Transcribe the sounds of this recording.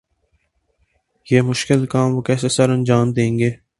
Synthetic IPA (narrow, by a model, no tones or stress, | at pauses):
jeːmʊʃkɪlkaːmʋokɛːsesɐɾɐnd͡ʒaːmd̪ẽːŋɡeː